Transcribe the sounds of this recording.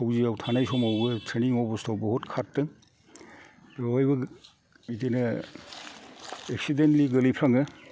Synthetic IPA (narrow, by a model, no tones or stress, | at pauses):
sʰawziawtʰanajsɔmawɡɯtʰɾeniŋɔbɔstʰawbɔhutkʰatːɯ | ɔjbɯ | itenɯ | eksidenliɡɐlipʰɾaŋɯ